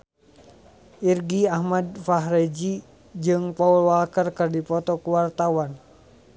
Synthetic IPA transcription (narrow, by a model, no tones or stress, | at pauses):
ʔirɡiahmadfaɦɾɛd͡ʒi | d͡ʒɨŋpaulwalkərkərdipɔt̪ɔkuwart̪awan